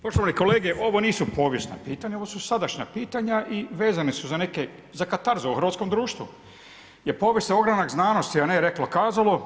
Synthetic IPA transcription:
poʃt̪oʋaniko̞leːɡeʔo̞ʋo̞niːsupo̞ːʋjesna̰piːt̪aɲaoʋosusad̪aʃɲa̰piːt̪aɲaʔiʋe̞ːzanesuzane̞ke | zakat̪aɾzoeuxɾr̩ʋat̪sko̞md̪ɾuːʃt̪ʋṵ | jeɾpo̞ːʋjesnao̞ɡɾanaɡznaːno̞st̪ianeɾeklokaːzalo̞

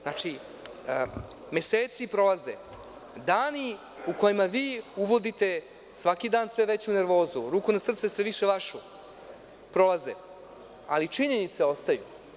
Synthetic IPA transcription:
nat͡ʂi | me̞seːt̪sipɾo̞laze | d̪aːni | uko̞jimaʋiːuʋo̞d̪it̪e̞ | sʋakid̪aːnsʋeʋe̞t͡ɕune̞ɾʋo̞ːzuɾuːkunasr̩t̪sesʋeʋiʃe̞ʋaʃu | pɾo̞lˠazḛ | a̰lit͡ʂiɲe̞nit̪seo̞st̪aju

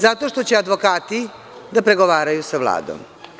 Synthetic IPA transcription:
zat̪o̞ʃt̪o̞t͡ɕead̪ʋo̞kaːt̪i | d̪apɾe̞ɡo̞ʋaːɾajusaʋlˠa̰ːd̪o̰m

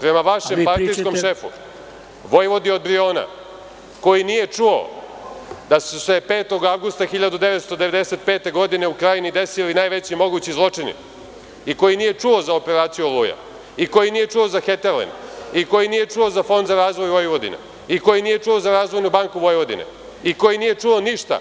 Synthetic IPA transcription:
pɾe̞maʋaʃempaɾt̪iskomʃʃe̞fṵ | ʋo̞jʋo̞d̪io̞d̪̚bɾio̞ːna̰ | ko̞jinije̞t͡ʂuo̰ | d̪asese̞peːt̪o̞ɡaʋɡust̪axiʎad̪ud̪e̞ʋet̪st̪o̞d̪eʋe̞d̪ese̞t̪̚peːt̪e̞ɡo̞d̪ine̞ukɾajinid̪e̞silinaːjʋet͡ɕimo̞ɡut͡ɕizlˠo̞t͡ʂinḭ | iko̞jinije̞t͡ʂuo̞zaope̞ɾaːt̪sijuolˠuːja̰ | iko̞jinije̞t͡ʂuo̞zaxet̪eɾlḛniko̞jinije̞t͡ʂuo̞zafo̞nd̪zaɾaːzʋo̞jʋojʋo̞d̪ḭna̰ | iko̞jinije̞t͡ʂuo̞zaɾaːzʋo̞jnubaŋkuʋo̞jʋo̞d̪ḭnḛ | iko̞jinije̞t͡ʂuo̞niʃt̪a̰

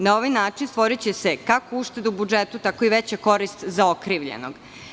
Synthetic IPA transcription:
nao̞ʋajnaːt͡ʃinst̪ʋo̞ɾit͡ɕesekakouʃt̪e̞d̪ubud͡ʒet̪ut̪akoiʋet͡ɕako̞ɾist̪zao̞kɾiʋʎḛno̞̰ɡ̥

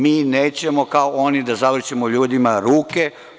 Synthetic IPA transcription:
miːneːt͡ɕe̞mokaoʔonid̪azaʋr̩t͡ʃemoʎuːd̪imaɾuːke̞

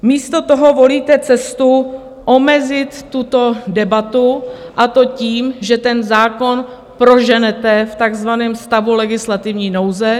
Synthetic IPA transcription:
miːst̪o̞t̪oɦo̞vo̞liːt̪ɛt͡sɛst̪u | ʔo̞mɛzɪt̪ːut̪o̞dɛbat̪uʔat̪o̞ciːmʒɛt̪ɛnzaːko̞n | pɾo̞ʒɛnɛt̪ɛft̪aɡzvanɛːmst̪avulɛɡɪslat̪ɪvɲiːnowzɛ

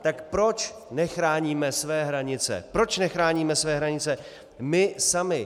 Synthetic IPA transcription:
t̪akpɾo̞t͡ʃ | nɛxɾaːɲiːmɛsvɛːɦɾaɲɪt͡sɛ̰pɾo̞t͡ʃnɛxɾaːɲiːmɛsvɛːɦɾaɲɪt͡sɛ | mɪsamɪ

